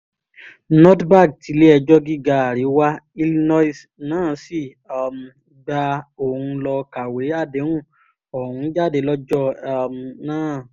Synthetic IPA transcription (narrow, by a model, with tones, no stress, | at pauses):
nɔ̃˦tba˦˨k̚ti˨˧˦le˦ɛ˧d͡ʒɔ˦ɡi˦ɡa˧˦a˨ɾi˨˦wa˦i˧lnɔ˦˨s | nãː˦˨si˦˨ | m˨ | ɡ͡ba˧o˨ũ˧lɔ˧ka˨we˨˦a˦˨de˨˦hũ˦˨ | ɔ˨hũ˨˦d͡ʒa˦˨de˨˧˦lɔ˦d͡ʒɔ˦˨mnãː˦˨